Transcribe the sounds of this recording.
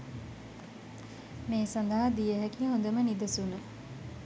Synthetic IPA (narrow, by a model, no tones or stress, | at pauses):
meːsand̪ɐɦad̪ijəɦækiːɦõnd̪əmənid̪ɐsunə